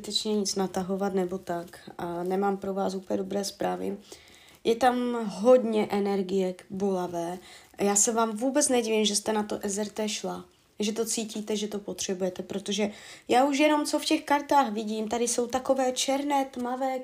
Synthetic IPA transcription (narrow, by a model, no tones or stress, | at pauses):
ɪt̪ɛt͡ʃɲɛɲɪt͡snat̪aɦo̞vat̪nɛbo̞t̪akʔanɛmaːmpɾo̞vaːsupɲɛdobɾɛːspɾaːvɪ̰ | jɛt̪amɦo̞d̪ɲɛʔɛnɛɾɡɪjɛbolavɛːjaːsɛvaːmvuːbɛt͡snɛɟɪvɪmʒɛst̪ɛnat̪o̞ʔɛzɛɾt̪ɛːʃla | ʒɛt̪o̞t͡siːciːt̪ɛʒɛt̪o̞po̞t̪r̝̥ɛbujɛt̪ɛpɾot̪o̞ʒɛjaːuʃ̬jɛno̞mt͡so̞fcɛxkaɾt̪aːxvɪɟiːmt̪adɪso̞wt̪ako̞vɛːt͡ʃɛɾnɛːt̪mavɛː